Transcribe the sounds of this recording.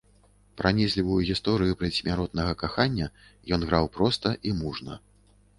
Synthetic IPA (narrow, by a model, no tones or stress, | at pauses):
pɾanʲisʲlʲivujuɣʲist̪ɔɾɨjupɾɛsʲmʲaɾɔt̪̚nɐɣɐkaxanʲːɐ | jɔnɣɾawpɾɔst̪ɐʔimuʐnɐ